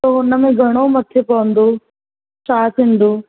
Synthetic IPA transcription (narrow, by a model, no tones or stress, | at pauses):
t̪oːɦʊnəmẽɡʱɐɽ̃omɐt̪ʰepɐʋə̃nd̪oː | ʃaːsĩːnd̪oː